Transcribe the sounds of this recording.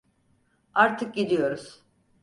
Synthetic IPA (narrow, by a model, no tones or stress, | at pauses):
aɾt̪ʰɯk̚ɟilʲijo̞ɾuz̥